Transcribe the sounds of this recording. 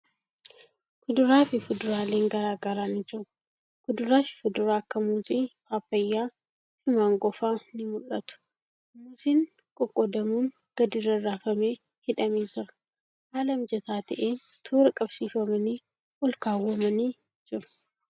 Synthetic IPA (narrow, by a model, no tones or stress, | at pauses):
kʊd̪ʊɾaːfɪfʊd̪ʊɾaːle̞ːŋɡɐɾaːɡɐɾaːnɪd͡ʒʊ | kʊd̪ʊɾaːfɪ̥fʊd̪ʊɾaːɐkːɐmuːziːfaːpːɐjːaː | ʃʊmaːŋɡɔfaːnɪmʊlːɐt̪ʊ̥ | mʊziːn | kʼɔkʼːɔd̪ɐmuːŋ | ɡ̥ɐd̪ɪrɐrːaːfɐmeː | hɪᶑɐmiːd͡ʒɪɾɐ̥ | haːlɐmd͡ʒɛt̪aːt̪ɐʔeːnt̪ʰuːɾɐkʼɐbsiːfɐmɐniː | wɔlkaːwːɐmɐniː | d͡ʒɪɾʊ̥